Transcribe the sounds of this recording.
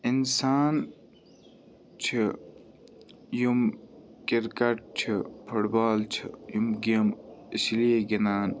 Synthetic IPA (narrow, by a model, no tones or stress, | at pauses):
insaːn | t͡ʃʰi | jumkiɾkɐʈ̚t͡ɕʰipʰuʈbaːlt͡ʃʰḭjumɡemislieɡinaːn